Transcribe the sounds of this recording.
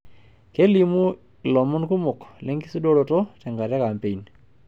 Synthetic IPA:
ke˦li˨mu˦˨ | lɔ˨mɔ˦nku˦mʊ˨klɛ˦ŋɡi˦si˦do˦ɾɔ˨tɔ˦tɛ˨ŋɡa˨ɾja˦ka˨mpe˨i˨n

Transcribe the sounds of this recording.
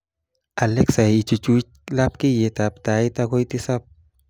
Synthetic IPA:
a˨leksa˨it͡ʃu˧t͡ʃu˦t͡ʃlap̚ki˦je˨t̪apt̪ajt̪ako˦jt̪i˦sap̚

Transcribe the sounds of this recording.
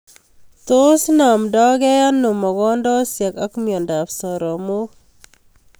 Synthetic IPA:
to˦sna˨mdɔ˦ɡɛ˦ja˦nːu˨mɔ˨kɔ˦ndɔ˦sja˨ka˦kmjɔ˨nda˨psɔ˨ɾɔ˨mo˦

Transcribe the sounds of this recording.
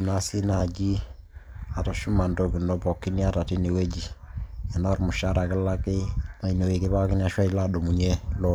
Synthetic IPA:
na˨si˦na˨d͡ʒi˦ | a˨ta˨ʃu˦ma˨ndo˨ki˨nɔ˨pɔ˨kːi˦ni˦a˦ta˨ti˦ne˨we˦d͡ʒi˨ɛ˨na˦ɾmʊ˨ʃa˦ɾa˨ke˦la˦ke˦na˨i˨ne˨we˨ke˦βa˦ki˦n˦a˨ʃwa˦i˦la˦do˨mu˨ɲɛ˦lɔ˦

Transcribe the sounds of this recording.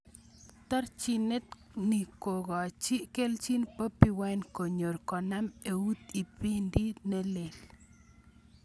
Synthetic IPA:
t̪a˦ɾt͡ʃi˨ne˦t̪ | ni˨ko˨ɣɔ˨t͡ʃi˦ke˦lt͡ʃi˦npə˦pi˧wa˦jnko˨ɲo˨ɾkɔ˨na˦me˨u˦t̪i˨pi˦ndi˦ne˦le˨l

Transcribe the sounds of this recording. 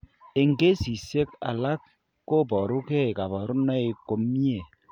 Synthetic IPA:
e˨ŋɡe˦si˨se˦ka̰˨la˦t̚ | ko˦˨pɔ˨ɾu˦kɛ˦i˨ka˨bɔ˨ɾu˦nɔ˦i˨ko˨mi˦e˨

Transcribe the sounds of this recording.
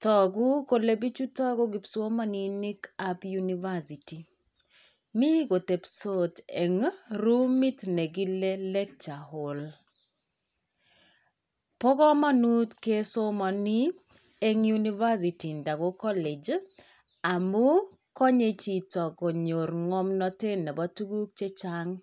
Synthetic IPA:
tɔ˨ɡu˦ko˨le˦bi˦t͡ʃu˦tɔ˦ɡɔ˦ɡi˨pso˦ma˦ni˦ni˦kapjuni˦va˦si˨ti˨ | mi˦ɡo˨te˨pso˦te˨ŋɾu˦mi˦tne˨ɡi˦le˦lɛ˦k̚t͡ʃa˨ho˨l | pɔ˦kɔ˦ma˦nu˦tke˦so˦mɔ˨ni˦ | e˦ŋju˦ni˦va˦s̬i˨ti˨nda˨ɡo˦kɔ˦le˨d͡ʒ | a˨mu˦ | kɔ˦ɲe˦t͡ʃi˨tɔ˨ɡo˨ɲo˨ɾŋɔ˦mnɔ˦te˦nɛ˨bɔ˦tu˦ɡu˦k̚t͡ʃe˦t͡ʃaŋ

